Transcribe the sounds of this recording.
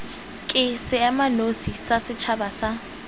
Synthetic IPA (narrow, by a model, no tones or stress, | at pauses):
kʼɪsɪamanosisasɪt͡ʃʰabasa